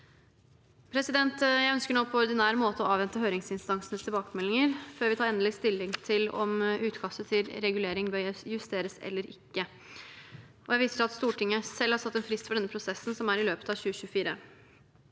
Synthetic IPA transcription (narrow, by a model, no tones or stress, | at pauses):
pʰɾɛsɪd̪ɛnt̪jæɪœnskəɳoːpʰɔɔɾɖ̪ɪnæːɾmoːt̪əɔɑːʋɛnt̪əɦøːɾɪŋsɪnst̪ɑŋsnəst̪ʰɪlbɑːkəmɛlːɪŋəɾføːɾʋɪt̪ʰɑːɾɛnəlɪst̪ɪlːɪŋt̪ʰɪlɔ̰mʉːt̪kʰɑst̪ət̪ʰɪlɾɛɡʉleːɾɪŋbœjʉst̪eːɾəsɛ̰lːəɾɪkːə | ʔɔjæɪʋɪːsəʂɑt̪st̪uːʈɪŋːəsɛlːhɑɾsʰɑt̪ːɛnfɾɪst̪fɔɖɛnːəpʰɾʊsɛsːn̩sɔmæɾɪløːpə̥t̪ɑʋçʉːəɕʉːfiːɾə̰